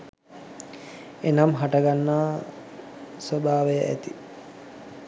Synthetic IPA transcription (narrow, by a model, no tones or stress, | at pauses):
enamɦaʈəɡanːaː | sobʱaːʋejəʔæ̰t̪i